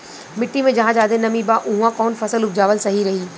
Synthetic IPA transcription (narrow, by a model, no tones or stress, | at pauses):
mɪʈːimẽd͡ʑɐɦãd͡ʒaːd̪enɐmibaʔʊ̃ɦũãkɔːnfɐsəlʊb̚d͡ʒaːʋəlsɐɦiɾɐɦiː